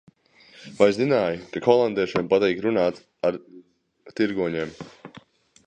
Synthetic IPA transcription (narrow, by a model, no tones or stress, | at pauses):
vajzzinaːjkakɔlˠand̪iɛʃiɛmpat̪ɛjkɾunaːt̪s | aɾ | t̪iɾɡuɔɲɛːm